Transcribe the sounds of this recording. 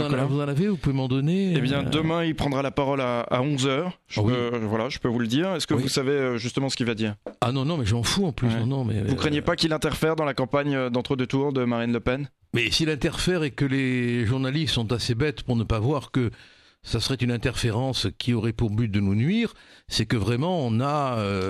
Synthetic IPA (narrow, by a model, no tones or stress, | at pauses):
aavuzɑ̃lavevupuvemɑ̃d̪ɔneebjɛ̃d̪əmɛ̃ilpχɑ̃d̪ʁalapaʁɔlaa̰ɔ̃zœːʁ | ʒəwpøvwalaʒəpøvuld̪iːʁɛskəvusaveøʒyst̪əmɑ̃sə̥kilvad̪iːʁanɔ̃nɔ̃mɛʒəmɑ̃fuɑ̃plysnɔ̃nɔ̃mɛ̰vukχənjepakʲilɛ̃t̪ɛʁfɛʁd̪ɑ̃lakɑ̃paɲød̪ɑ̃t̪χəd̪ət̪uʁd̪əmaʁinləpɛn | mɛsilɛ̃t̪ɛʁfɛʁɛkəleʒuʁnalist̪sɔ̃t̪asebɛt̪puʁnəpavwaʁkə | sasəʁɛt̪ynɛ̃t̪ɛʁfeʁɑ̃skʲʰiɔʁɛpuʁbyt̪̚d̪ənunɥiːʁ | sɛkəvʁɛmɑ̃ɔ̃naø